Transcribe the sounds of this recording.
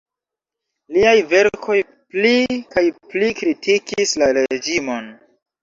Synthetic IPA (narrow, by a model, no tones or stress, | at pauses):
liajve̞ɾkʰo̞j | plikajplikɾitʰikislaɾed͡ʒimo̞n